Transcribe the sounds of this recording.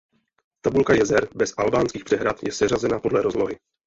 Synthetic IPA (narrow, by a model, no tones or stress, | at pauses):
t̪abulkajɛzɛɾbɛsʔalbaːnskiːxpr̥ɛɦɾat̪jɛsɛrazɛnapo̞dlɛɾo̞zlo̞ɦɪ